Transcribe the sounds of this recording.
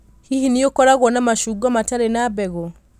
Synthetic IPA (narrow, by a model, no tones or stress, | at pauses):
hihiniokɔɾaɣɔnamaʃuɡamataɾenabɛɣɔ